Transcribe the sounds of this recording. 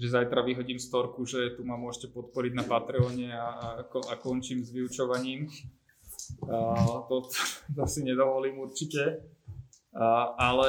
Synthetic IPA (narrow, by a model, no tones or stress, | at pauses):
ʒɛzajt̪ɾaʋiɦɔɟiːmst̪ɔɾkuʒɛt̪umamʊɔʒcɛpɔt̪̚pɔɾiɟnapat̪ɾɛɔːɲɛakɔakɔnt͡ʃiːmzʋiut͡ʃɔʋaɲiːm | t̪ɔt̪t̪ɔsiɲɛd̪ɔʋɔliːmuɾt͡ʃicɛ | ʔalɛ